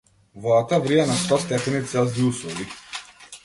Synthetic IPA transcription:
vɔat̪avɾianast̪ɔst̪ɛpɛnit̪sɛlˠziuslˠuɡi

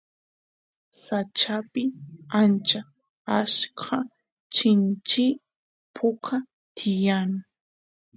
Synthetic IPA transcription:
sat͡ʃapɪant͡ʃa | askʰɑ | t͡ʃɪnt͡ʃɪ | pʰʊkʰa | t̪ʰɪjaŋ

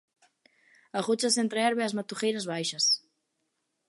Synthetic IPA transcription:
aɣut͡ʃasent̪ɾeɛɾβeazmat̪uxejɾazβajʃɐs

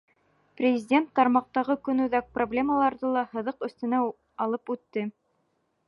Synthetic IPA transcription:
prʲɪzʲɪdʲent̪ːɑɾmɑq̚t̪ɑʁɤkɵ̆nʉðæk̚problʲe̞məlˠɑɾðɤlˠɑhɤ̆ðɤqɵ̆θt̪ɘ̆næ | ɑlˠɤpʉt̪ːɘ

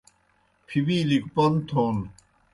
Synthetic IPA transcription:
pʰibilik̚pɔnt̪ʰon

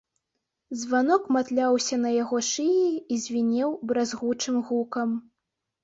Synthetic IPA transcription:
zvanɔkmat̪lʲawsʲɐnɐjaɣɔʂɨjiːzʲvʲinʲɛwbɾazɣut͡ʂɨmɣukɐm

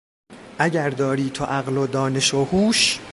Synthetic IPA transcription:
ʔæɟæɾd̪ɒːɾiːt̪ʰoʔæɣlod̪ɒːne̞ʃohuːʃ

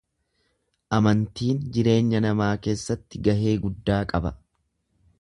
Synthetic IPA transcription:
ʔɐmɐnt̪iːnd͡ʒɪɾe̞ːɲːɐnɐmaːke̞ːsːɐt̪ːɪɡɐɦe̞ːɡʊd̪ːaːkʼɐbɐ̰

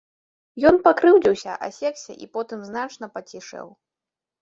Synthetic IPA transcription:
jɔnpakɾɨwd͡zʲiwsʲɐ̰ʔɐ̰sʲɛksʲɛ̰ʔḭpɔt̪ɨmznat͡ʂnɐpɐt͡sʲiʂɛ̰w

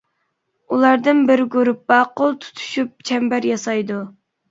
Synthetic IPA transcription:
ulˠɑɾd̪ɨnbɪɾɡuɾupːɑqʊlˠt̪ʰu̥t̪ʰu̥ʃyp̚t͡ʃʰɛmbæɾjɑsɑjd̪u

